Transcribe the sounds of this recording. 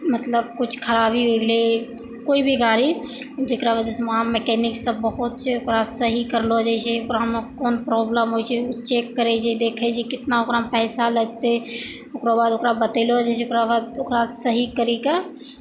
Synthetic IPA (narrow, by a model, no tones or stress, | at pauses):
mət̪ləb̚kʊt͡ʃʰkʰəɾaːbiɦoɡle | koːibʱiɡʱaːɾid͡ʒekɾabad͡ʒesmeamekɛːnɪksːəbəɦʊt̪̚t͡ʃʰɛokɾasəɦikəɾlod͡ʒat͡ʃʰɛokɾamkɔːnpɾɔːbləmɦoit͡ʃʰɛʊt͡ʃekːəɾɛt͡ʃʰed̪eːkʰet͡ʃʰikɪt̪naokɾapɛːsaləɡt̪e | okɾabaːd̪okɾabət̪elod͡ʒat͡ʃʰɛokɾabad̪okɾasəɦikəɾika